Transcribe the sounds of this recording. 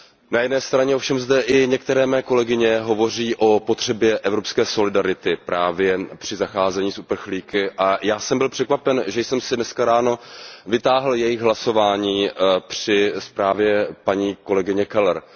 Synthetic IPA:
najɛdnɛːst̪ɾaɲɛofʃɛmzdɛʔɪɲɛk̚t̪ɛɾɛːmɛːko̞lɛɡɪɲɛɦo̞vo̞r̝iːʔo̞po̞t̪r̝̥ɛbjɛʔɛvɾo̞pskɛːso̞lɪdaɾɪt̪ɪpɾʔaːvjɛpr̥ɪzaxaːzɛɲiːsupr̩xliːkɪʔajaːsɛmbɪlpr̥ɛkvapɛnʒɛjsɛmsɪdnɛskaɾaːno̞vɪt̪aːɦl̩jɛjɪxɣɦlaso̞vaːɲiːpr̥ɪspɾaːvjɛpaɲiːko̞lɛɡɪɲɛkɛlɛɾ

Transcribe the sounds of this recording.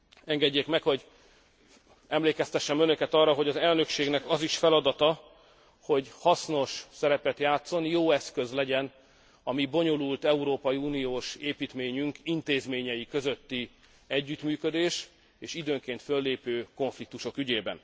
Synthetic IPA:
ɛŋɡɛɟːeːkmɛkho̞ɟ | ɛmleːkɛst̪ɛʃːɛmønøkɛt̪ɒrːɒɦo̞ɟɒzɛlnø̞kʃeːɡnɛkɒziʃfɛlɒd̪ɒt̪ɒ | ho̞ɟhɒsno̞ʃsɛɾɛpɛt̪jaːt̪so̞njoːɛskø̞zlɛɟɛn | ɒmibo̞ɲo̞lult̪ɛuɾoːpɒjiuːnijoːʃeːpiːt̪meːɲyŋkint̪eːzmeːɲɛjikø̞zøt̪ːi | ɛɟːyt̪myːkød̪eːʃ | eːʃid̪øːŋkeːnt̪følːeːpøːko̞ɱflik̚t̪uʃo̞kyɟeːbɛ̰n

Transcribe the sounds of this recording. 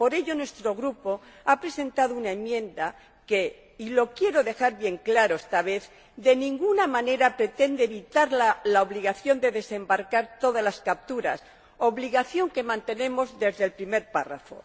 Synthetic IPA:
po̞ɾe̞ʎo̞nwe̞st̪ɾo̞ɣɾupo̞apɾe̞se̞nt̪aðounae̞mjẽ̞nd̪a | ke̞ | ilo̞kje̞ɾo̞ðe̞xaɾβje̞ŋklaɾoest̪aβe̞θ | ðe̞nĩŋɡunamãne̞ɾapɾe̞t̪e̞nd̪eeːβit̪aɾlalaoβliɣaθjo̞nd̪e̞ðe̞se̞mbaɾkaɾt̪o̞ðalaskap̚t̪uɾa̰s | o̞βliɣaθjo̞ŋke̞mãnt̪e̞ne̞mo̞zðe̞zðelpɾime̞ɾpara̰fo̞̰

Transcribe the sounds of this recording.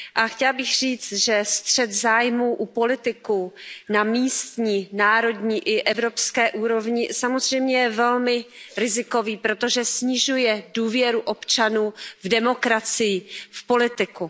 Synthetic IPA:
ʔaxcɛlbɪxr̝iːt͡st̪ʒɛst̪r̝̥ɛt̪zaːjmuːʔupo̞lɪt̪ɪkunamiːst̪ɲiːnaːɾo̞dɲiːʔɪʔɛvɾo̞pskɛːʔuːɾo̞vɲɪsamozr̝ɛjmɲɛjɛvɛlmɪɾɪzɪko̞viːpɾo̞t̪o̞ʒɛsɲɪʒujɛduːvjɛɾuʔo̞pt͡ʃanuːvdɛmo̞kɾat͡sɪjɪfpo̞lɪt̪ɪku

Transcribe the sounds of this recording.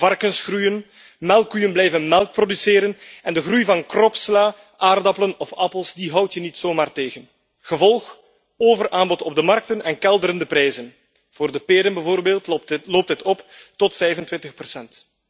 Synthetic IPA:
v̥ɑrkənsxrujən | mɛlˠkyjənblɛjvənmɛlˠk̚prodysɪːɾənɛndəɣrujvɑnkrɔpslaː | ʔaːrdɑpələnɔfɑpəlˠsdiɦʌwtjənitsoːmaːrteːɣən | ɣəvɔlˠx | oːvərʔaːmbɔtɔb̚dəmɑrk̚tənɛnkɛlˠdəɾəndəpɾɛjzən | v̥oːrdəpeːɾənbəvoːrbeːlˠtloːp̚tɦətɔptɔtfɛjvəntʋɪntəxpərsɛnt

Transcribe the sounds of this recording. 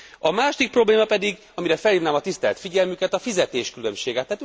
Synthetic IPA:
ɒmaːʃod̪ik̚pro̞bleːmɒpɛd̪iɡ | ɒmiɾɛfɛlhiːvnaːmɒt̪ist̪ɛlt̪fiɟɛlmykɛt̪ɒfizɛt̪eːʃkylø̞mʃeːɡɛt̪ːaːt̪

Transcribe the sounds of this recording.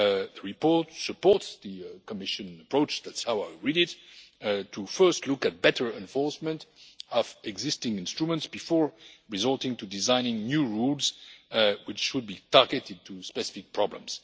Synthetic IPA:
ðəɹipɔɹtsəpɔɹtsðəkɔmɪʃɨ̃nəpɹoʊt͡ʃðætshaʊwaɪɹiɾɪt | tʰufɜ˞stʰlʊkæt̚b̥ɛtə˞ɛ̃nfɔɹsmə̃ntɔvɛɡzɪstɪ̃ŋɪ̃nstɹumə̃ntsb̥ifɔɹɹizɔlˠtɪ̃ŋtudizãɪ̃nɪ̃ŋnjuɹulz | wɪt͡ʃʃud̚bitaɹɡɛtɪd̚tʰuspɛsɪfɪk̚pʰɹ̥ɑblə̰̃mz̥

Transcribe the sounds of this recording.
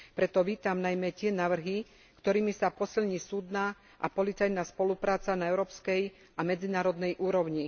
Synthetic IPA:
pɾɛt̪ɔʋiːt̪amnajmɛcɪɛnaːʋr̩ɦi | kt̪ɔɾiːmisapɔsilɲiːsuːd̪naː | ʔa̰pɔlit͡sajnaspɔlupɾaːt͡sanaɛʊɾɔːpskɛj | amɛd͡zinaːɾɔd̪nɛjʔuːɾɔʊɲi

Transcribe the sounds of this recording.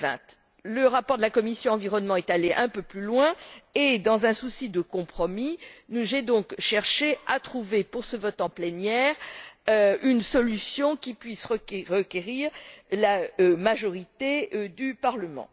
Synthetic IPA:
vɛ̰̃t̪ | ləʁapɔʁd̪əlakɔmisjɔ̃ɑ̃viʁɔnmɑ̃ɛt̪aleʔɛ̃pøplylwɛ̃ed̪ɑ̃zɛ̃susid̪əkɔ̃pχɔminuʒɛd̪ɔ̃kʃɛʁʃeat̪χuvepuʁsəvɔt̪ɑ̃plɛnjɛʁ | ynsɔlysjɔ̃kʲipɥisʁəʁəkʲeʁiʁlamaʒɔʁit̪ed̪ypaʁləmɑ̰̃

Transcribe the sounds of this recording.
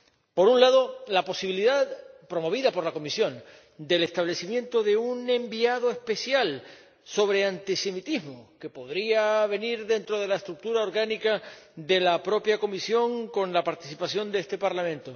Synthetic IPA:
po̞ɾunlaðo̞lapo̞siβiliðaðpɾo̞mo̞β̞iðapo̞ɾlako̞misjõ̞n | d̪e̞le̞st̪aβle̞simjẽ̞nt̪o̞ðe̞unẽ̞mbiaðoe̞spe̞sjal | so̞β̞ɾe̞ant̪ise̞mit̪iɦmoke̞po̞ðɾiaβe̞niɾðe̞nt̪ɾo̞ðe̞laest̪ɾuk̚t̪uɾao̞ɾɣanikaðe̞lapɾo̞pjako̞misjo̞ŋko̞nlapaɾt̪isipasjo̞nd̪eest̪e̞paɾlamẽ̞nt̪o

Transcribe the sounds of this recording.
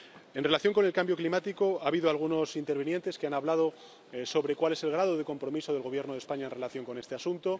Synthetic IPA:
e̞nre̞laθjoŋko̞ne̞lkambjo̞klimat̪iko̞aːβiðoalɣ̞uno̞sint̪e̞ɾβenje̞nt̪e̞skeanaβlað̞o̞ | so̞βɾe̞kwale̞se̞lɣ̞ɾaðoð̞e̞ko̞mpɾo̞miso̞ðe̞lɣ̞o̞β̞je̞ɾno̞ðe̞spaɲae̞nrelaθjo̞ŋko̞nest̪e̞asunt̪o̞

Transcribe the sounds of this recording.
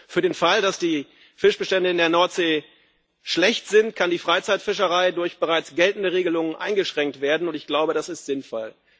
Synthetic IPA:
fyːɐɾeːnfaldasd̥iː | fɪʃb̥əʃtɛndəɪndeːɐnɔɐtz̥eː | ʃlɛçtz̥ɪntkʰandiːfʁ̥aɪt͡saɪtfɪʃəʁaɪdʊɐçb̥əʁaɪt͡sɡ̥ɛltn̩dəʁeːɡəlʊŋənʔa̰ɪnɡəʃʁ̥ɛŋk̚tv̥eːɐdn̩ʊntɪçɡ̥laʊbədasɪstz̥ɪnfɔ̰l

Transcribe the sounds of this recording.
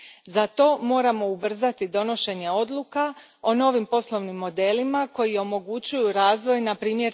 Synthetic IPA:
zat̪o̞ːmo̞ːɾamo̞ubr̩zat̪id̪o̞no̞ʃe̞ɲe̞o̞d̪lˠuka | o̞no̞ːʋimpo̞slˠo̞ʋnimːo̞d̪e̞limako̞jio̞mo̞ɡut͡ɕujuɾaːzʋo̞jnapɾiːmje̞ɾ

